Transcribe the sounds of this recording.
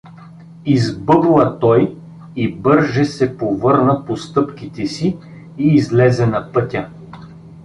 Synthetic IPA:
izbɤblˠɐt̪ɔj | ibɤɾʒɛsɛpovɤɾnɐpost̪ɤpkit̪ɛsiː | zlɛzɛnɐpɤt̪ʲə

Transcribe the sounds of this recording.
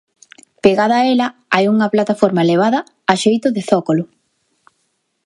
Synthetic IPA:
peɣaðɐːelɐajuŋɐplat̪afɔɾmaeleβ̞aðɐ | aʃejt̪ʊðɪθɔkolʊ

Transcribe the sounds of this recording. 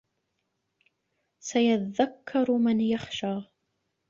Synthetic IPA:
sajat̪aðakʰːɑɾˤmanjaxʃaː

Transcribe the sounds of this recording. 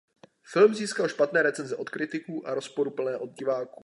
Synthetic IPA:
fɪlmziːskalʃpat̪nɛːɾɛt͡sɛnzɛʔo̞t̪kɾɪt̪ɪkuːʔaɾo̞spo̞ɾupl̩nɛːʔo̞d̪ɟɪvaːkuː

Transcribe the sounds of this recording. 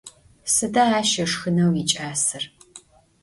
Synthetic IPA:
sɨdɐaːʃɐʂxɨnɐwit͡ʃʼaːsɨr

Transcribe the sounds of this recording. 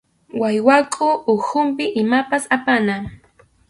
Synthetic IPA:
wajwakʼʊʊxʊmpɪʔɪmapasapana

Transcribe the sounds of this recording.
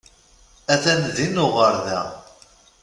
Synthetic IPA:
æθænðinːʊʁəɾðæ̰

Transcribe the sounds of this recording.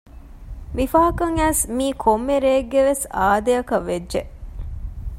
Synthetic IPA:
mifɐːɦɐkɐŋæːsmiːkʰomːeɾeːɡːeʋesaːd̪eɐkɐʋːedʒeʔ

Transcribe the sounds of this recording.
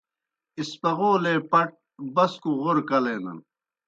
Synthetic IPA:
ispɐɣoːleːpɐʈ̚ | bɐskuɣoɾkɐleːnɐ̰n

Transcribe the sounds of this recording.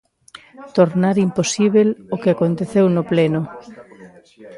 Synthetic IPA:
t̪oɾnaɾimposiβelokeakont̪eθewnopleno

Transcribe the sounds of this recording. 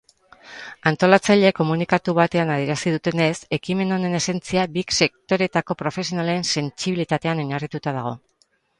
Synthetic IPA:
ant̪o̞lat͡saʎe̞ko̞munikat̪uβat̪e̞anað̞ieɾasiðut̪e̞ne̞se̞kime̞none̞ne̞se̞nt͡siaβikse̞k̚t̪o̞ɾe̞t̪ako̞pɾo̞fe̞sio̞nale̞ːnse̞nt͡siβilit̪at̪e̞ano̞ɲarit̪ut̪aðaɣ̞o̞

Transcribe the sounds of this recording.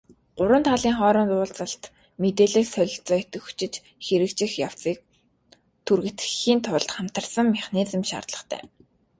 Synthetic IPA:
ɢ̥ʊɾwə̆nt̪ʰaɮiːŋχɔːɾɞ̆nt͡s̪ʊːɮt͡sə̆ɬt̪ | met̪eːɮĭːxsœɮʲɪ̆ɬt͡sœːjʰt̪ɘ̆xu̥t͡ɕɪ̆t͡ɕ | xeɾɘ̆kt͡ɕɪ̆xjaw̥t͡siːk̚ | t̪ʰurɣɘ̆t̪ɘxiːnt̪ʰʊɮt̪χam̥t̪ə̆rsə̆ŋːaχniːt͡sə̆mʃa̰rt̪ɮə̆χt̪ʰæ̰ː

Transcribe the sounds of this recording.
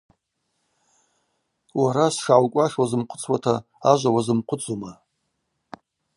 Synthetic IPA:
waɾasʂawkʷʼaʂwazɨmqʷʰʊ̥t͡sʰwatʰa | aʒʷawazɨmqʷʰʊt͡sʰʼuma

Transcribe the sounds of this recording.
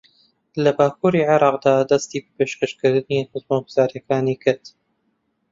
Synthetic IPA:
lɐbaːkuːɾiʕɪɾˤɑːqd̪aːd̪ɐst̪iːbpeːʃkəʃkɨɾd̪ɨninɨzmawɡz̥aːɾjɐkaːniːkʰɨɾt̪

